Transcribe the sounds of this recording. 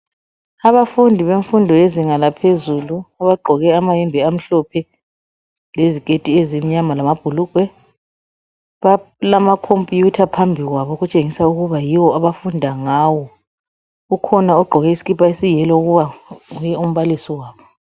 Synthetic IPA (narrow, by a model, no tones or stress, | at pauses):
aβafundʱiβeɱfundʱɔeziŋalapʰezuluaβaɡ͡ǃʱɔɣɛamajɛmbʱɛam̩ɬɔpʰɛ | lezikʼetʼiezimiɲamalamab̥ʱulukʼwɛ | βalamakʰompʼjutʰapʰambʱiɣwaβɔɣut͡ʃʼeŋisauɣuβajiwɔaβafundʱaŋaːwɔ | ukʰɔnaɔɡ͡ǃʱɔɣɛisi̥kipʰʼaesijɛlɔuɣuβaɣujɛum̩βalisɔwaːβɔ